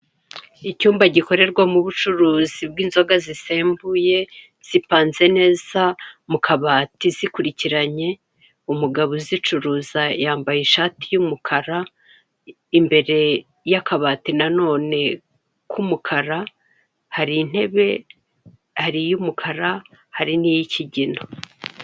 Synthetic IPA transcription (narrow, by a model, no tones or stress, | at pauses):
icuːmbaɟiko̞ɾe̞ɾɡwamuβut͡ʃuɾuːzib̚ɡiːnzo̞ɡazise̞ːmbuje̞ | z̥ipaːnze̞ne̞ːz̥amukʰaβaːtizikuɾiciɾaɲe̞ | umuɡaβozit͡ʃuɾuːzajaːmbajiʃaːtijumukʰaɾa | imbe̞ɾe̞ | jakaβaːtinano̞ːne̞ | kʰumukʰaɾa | haɾin̥e̞βe̞ | haɾijumukʰaɾa | haɾinijicʰiɟino